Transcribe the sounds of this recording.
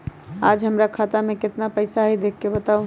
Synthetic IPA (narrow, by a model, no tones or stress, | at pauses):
a̰d͡ʒɦəmɾakʰat̪amẽkɪt̪napəɪsaɦid̪ekʰːebət̪aũ